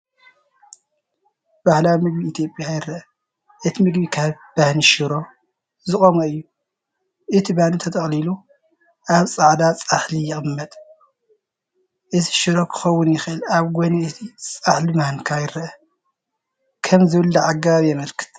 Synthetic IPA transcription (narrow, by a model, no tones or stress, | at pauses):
b̥ahlawmɨɡ̚biːt̪ʰjo̞pʼjajɪɾɐʔɐ | ʔɨt̪ʰimɨɡbikʰaβ | b̥ahniʃɨɾo̞ | zɨχʼomoɨjːu | ʔɨt̪ʰibahnit̪ʰɐt̪ʼɐχʼlilu | ʔaβt͡sʼaʕd̪at͡sʼaħlijɪxʼɨmːɐt̪ʼ | ʔɨtʰi̥ʃɨɾo̞kʰɨ̥xɐwːʊnjɪxɨʔɨlaβɡoniɨt̪ʰit͡sʼaħlimahnkʰajɪɾɐʔɐ | kʰɐmzɨwɨlːɐʕaɡaβjɛmɐlkʰɨ̥t̪